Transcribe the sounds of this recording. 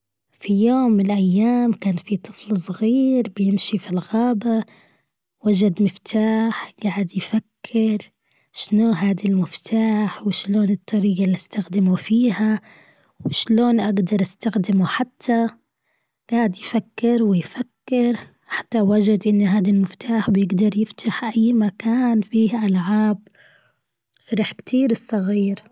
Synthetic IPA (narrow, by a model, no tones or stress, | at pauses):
fijoːmːɪnɪlʔajːaːmkaːnfit̪ˤʰɨflsˤɣiːɾbɪjɪmʃifilɣaːba | wad͡ʒad̪mɪft̪ʰaːħɡ̥aʕɪd̪jfakʰːɪɾ | ʃnoːɦaːd̪ilmɪft̪ʰaːħwɪʃloːnɨt̪ˤːɑɾiːɡalːiʔast̪axd̪ɪmufiːha | wɪʃloːnʔaɡd̪ɑɾˤʔast̪axd̪ɪmuħat̪ʰːa | ɡ̥aːʕɪd̪jfakːɪɾwɪjfakːɪɾ | ħḁt̪ːawad͡ʒad̪ʔɪnːɦaːd̪almɪft̪ʰaːħbjɪɡd̪ɑɾˤjɪft̪ʰaħʔajːmakaːnfiːhʔalʕaːb | fɪɾaħkt̪ʰiːɾɪsˤːɑɣiːɾ